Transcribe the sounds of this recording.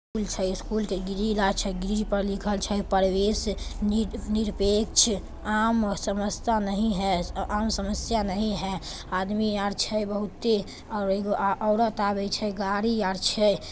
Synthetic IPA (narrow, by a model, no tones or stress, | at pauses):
kult͡ʃʰəskulk̪eɡiɾilat͡ʃʰɛɡiɾid͡ʒpəɾlikʰəlt͡ʃʰɛpəɾwesniniɾpek̚t͡ʃʰ | amsəməst̪anəɦĩɦɛamsəməsjanəɦĩɦɛ | ad̪mijaɾt͡ʃʰɛjbəɦut̪ːe | ɔɾiɡoʔɔɾət̪abɛt͡ʃʰɛɡaɾijaɾt͡ʃʰɛ